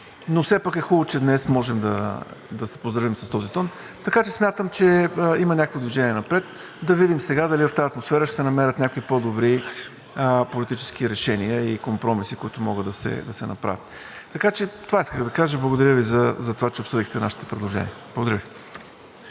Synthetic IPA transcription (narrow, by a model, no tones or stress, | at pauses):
nofsɛpakɛxulˠot͡ʃɛd̪nɛsmɔʒɛmd̪ɐ̰d̪ɐsɛ̥pozd̪ɾɐvimsɐst̪ɔzit̪ɔn | t̪ɐkat͡ʃɛsmʲjat̪əmt͡ʃɛimənʲakəkvəd̪viʒɛniɛnɐpɾɛt̪ | d̪ɐvid̪imsɛɡad̪ɐlivɐft̪aət̪mosfɛɾəʃt̪ɛ̥sɛnɐmɛɾʲət̪nʲakoipod̪obɾi | polit̪it͡ʃɛ̥skiɾɛʃɛniəikompɾɔmisikoit̪ʊmɔɡəd̪ɐsɛ̰d̪ɐsɛnɐpɾa̰vit̪ | t̪ːɐkat͡ʃɛt̪ovaiskəxd̪ɐkaʒəblˠəɡod̪ɐɾʲjəvizɐzɐt̪ovat͡ʃɛopsɤd̪ixt̪ɛna̰ʃi̥t̪ɛ̥pɾɛd̪lˠoʒɛ̰nʲiəblˠɡod̪ɐɾʲəvi